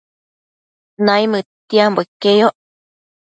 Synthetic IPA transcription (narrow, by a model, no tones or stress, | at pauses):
naimɨt̪iamboekejoʔ